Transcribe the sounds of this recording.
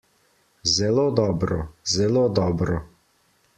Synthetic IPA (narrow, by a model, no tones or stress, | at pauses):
zɛloːd̪ɔːbɾɔzɛloːd̪ɔːbɾɔ